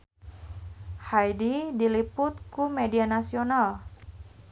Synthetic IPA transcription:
hajdidilipʊt̪̚kumedianasional

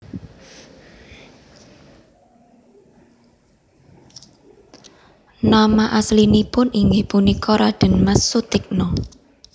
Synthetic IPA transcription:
namaʔaslinipʊniŋɡɪhpunikʰɔɾaɖ̥ə̤nmasːut̪ɪk̚nɔ

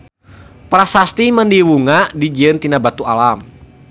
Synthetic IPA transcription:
pɾasast̪iməndiwuŋadid͡ʒiənt̪inabat̪ualam

